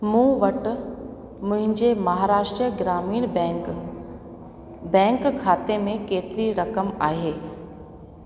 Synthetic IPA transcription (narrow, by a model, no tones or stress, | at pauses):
mũːʋɐʈ | mʊ̃ɦɪ̃ɲd͡ʑemɐɦaːɾaːʃʈɾijəɡɾaːmiːɽ̃ | bɛ̃ːŋkkʰːaːt̪emẽkeːt̪ɪɾiɾɐkəmaːɦeː